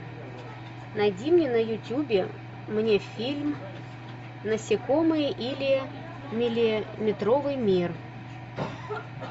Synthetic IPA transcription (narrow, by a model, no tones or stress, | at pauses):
najdʲimnʲenəjʊtʲubʲɪ | mnʲefʲilʲm | nəsʲɪkomɨjʔilʲɪ | mʲɪlʲɪmʲɪt̪ɾovɨjmʲir